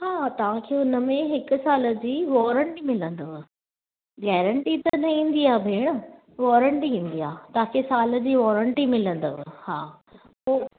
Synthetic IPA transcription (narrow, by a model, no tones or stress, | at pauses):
ɦaːt̪ɐʋ̤ãkʰeːʊnə̆mẽɦɪkʊ̆saːlə̆d͡ʑiːʋɔːɾə̃ɳʈimɪlə̃nd̪əʋɪ | ɡɛːɾə̃ɳʈit̪ɐnɐĩːn̆d̪iaːbʱeːɽ̃ə | ʋɔːɾə̃ɳʈiĩːnd̪iaːt̪ɐʋ̤ãkʰeːsaːld͡ʑiːʋɔːɾəɳʈimɪlə̃nd̪əʋhaː | poː